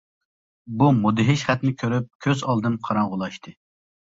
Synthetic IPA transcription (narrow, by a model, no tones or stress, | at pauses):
bumud̪ɨɦɪʃχɛt̪nɪkʲʰøɾyp̚kʲʰøzɑlˠd̪ɨmqʰɑɾɑɴʁʊlˠɑʃt̪ʰɨ